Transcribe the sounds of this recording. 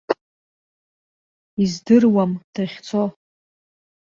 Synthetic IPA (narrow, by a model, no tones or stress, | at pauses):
izdɨrwamd̥aχʲt͡sʰo